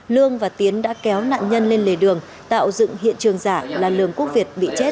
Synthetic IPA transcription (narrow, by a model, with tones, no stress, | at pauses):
lɨ˧əŋvaː˨˩t̪i˨˦ənɗa̰ː˧˥kɛ˨˦wna̰ː˧˨nɲə˧nle˧nle˨˩ɗɨ˨˩əŋ | t̪a̰ː˧˨wzɨ̰˧˨ŋhḭ˧˨ənt͡ɕɨ˨˩əŋzaː˧˩laː˨˩lɨ̰˨˩əŋku˦˥ək̚vi˨˩ət̚ɓḭ˧˨t͡ɕe˦˥t̚